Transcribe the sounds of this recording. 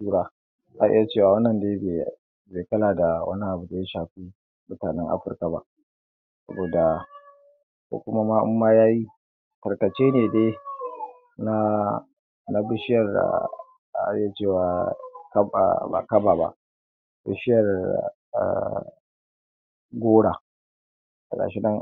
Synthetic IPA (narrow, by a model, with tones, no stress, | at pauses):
uː˦ɽaː˦ | ʔa˦ʔɪ̰˦ja˦˨t͡ʃeː˦˨waː˨wɐ˦nːɐ˨nde˦e˨ | beː˨kɐ˦laː˨da˨wɐ̰˦ni˦ʔa˨bu˨da˨ja˦ʃaː˨ɸiː˦ | mʊ˦taː˨nɛ˦ŋʔa̰˦ɸɪ˦rka˨ba̰˦ʔ | sɐ̰˦boː˨da˨ | kʷo̰ː˦kʷʊ˦ma˦maː˦ʔʊ̰˦mːaː˦jaː˦ji˦ | kɐ˨rkɐ˨t͡ʃeː˦neː˨deː˦ | na˦ | na˦bɪ˦ʃɪ˦jɐ˨r̰ | a˨t͡ʃeː˦˨waː˨ka̰˨ba̰˨kɐ˦ba˨ba̰˦ʔ | bɪ̰˦ʃɪ˦jɐ˨r̰ | ɡʷoː˦ɽa̰˨ | kɐ˨ka̰˨ʃi˦nɐ˦ŋ